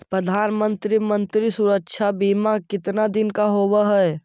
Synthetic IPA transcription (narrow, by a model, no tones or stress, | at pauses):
pɾəd̪ʱaːnmə̃nt̪ɾimə̃nt̪ɾisʊɾəkʃʰabiːmakɪt̪nad̪ɪnkaɦoːwaɦɛː